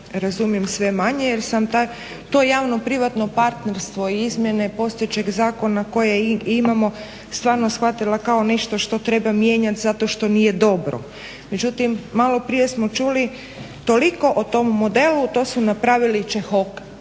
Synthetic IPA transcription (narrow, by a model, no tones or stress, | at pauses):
ɾazumije̞msʋe̞maɲejeɾsamt̪a | t̪o̞jaːʋnopɾiʋat̪no̞paɾt̪ne̞ɾst̪ʋo̞iizmje̞ne̞po̞st̪ojet͡ɕeɡzaːkonako̞jeimamo̞ | st̪ʋaːɾno̞sxʋat̪ilakao̞ne̞ʃt̪o̞ʃt̪o̞t̪ɾe̞bamje̞ːɲat̪zat̪o̞ʃt̪o̞nije̞d̪o̞bɾo̞̰ | med͡ʒut̪imːalo̞pɾije̞smot͡ʃuli | t̪o̞liko̞ʔot̪o̞mːo̞d̪e̞lut̪o̞ːsunapɾaʋilit͡ʃexok